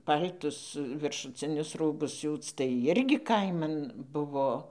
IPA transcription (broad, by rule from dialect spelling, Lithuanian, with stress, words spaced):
ˈpɐlʲtʊs ʋʲɪrʃʊˈt͡sʲɪnʲʊs ˈruːbʊs ˈsʲuːt͡s tɐɪ ˈɪrʲɡʲɪ ˈkɐɪmɐn ˈbʊʋoː